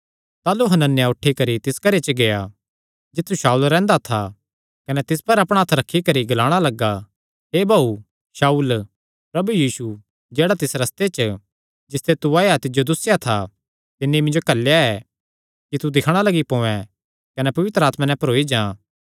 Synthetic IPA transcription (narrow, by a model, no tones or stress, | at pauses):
t̪aːluɦɐnənːjaʊʈʰːikɐɾit̪ɪskɐɾet͡ʃəɡeja | d͡ʒɪt̪ʰːuʃaːuːlɾɛ̃ːnd̪at̪ʰa | kɐnɛt̪ɪspɐɾɐpɽ̃aːt̪ʰɾɐkʰːikɐɾiɡɐlaːɽ̃alɐɡa | ɦeːbʱaːu | ʃaːuːl | pɾɐbujiːsu | d͡ʒeːɽat̪ɪsɾɐst̪et͡ʃə | d͡ʒɪst̪ʰet̪uaːjat̪ɪd͡ʒod̪ʊsːjat̪ʰa | t̪ɪnːeimɪ̃ɲd͡ʒokɐlːjaɛː | kit̪ud̪ɪkʰɽ̃alɐɡipõːɛ̃ | kɐnɛpɐʋɪt̪ɾəaːt̪mãnɛ̃pɐɾoːid͡ʒãː